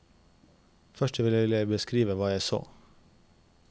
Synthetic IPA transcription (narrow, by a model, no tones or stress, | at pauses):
fœʃʈɛʋɪlæʋɪljæɪbəskɾiːʋəʋɑːjæɪso̰ː